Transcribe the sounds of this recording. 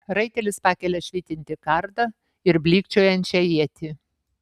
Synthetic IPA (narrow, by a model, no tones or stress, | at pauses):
ɾɐɪt̪ʲɛlʲɪspɑːkʲɛlʲɛʃʲʋʲiːt̪ʲɪnʲt̪ʲɪkɐɾd̪ɐ | ɪɾbʲlʲiːkt͡ʃʲoːjɛnʲt͡ʃʲɛjiɛt̪ʲɪ